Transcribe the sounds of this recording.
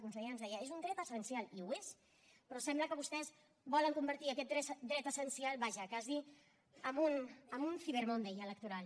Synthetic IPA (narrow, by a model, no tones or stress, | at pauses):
kunsɛanzðɛjəezund̪ɾɛt̪əsənsialiues | pɾɔsɛmbləkəβust̪ɛz | bɔləŋkumbəɾt̪iəkɛt̪̚ɾɛd̪ɾɛt̪əsənsialˠβaʒəkazi | əmunəmunfiβeɾmond̪ɛjələk̚t̪uɾalˠ